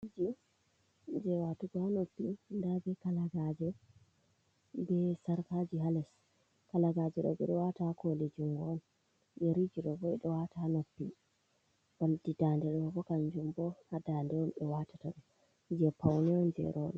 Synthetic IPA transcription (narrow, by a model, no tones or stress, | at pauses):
id͡ʒi | ɲd͡ʒɛwatuɡɔhanopːindabɛkalaɡad͡ʒɛ | bɛsaɾkad͡ʒiɦalɛs | kalaɡad͡ʒɛɗɔ̰bɛ̰ɗɔwatakoled͡ʒiŋɡɔn | jɛɾid͡ʒiɗɔbɔɛɗɔwataanopːi | b̥aldidandɛɗɔbɔkand͡ʒumbɔhadandɛwɔnɗɛwatḁtaɗɔ | d͡ʒɛpawnɛɔnd͡ʒɛ̰ɾʔɔɗɔ